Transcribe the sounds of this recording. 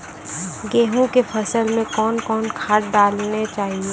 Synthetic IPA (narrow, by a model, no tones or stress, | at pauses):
ɡeːɦũkepʰəsəlmẽkɔːnkɔːnkʰaːʈ̚ɖaːlnet͡ʃaːɦie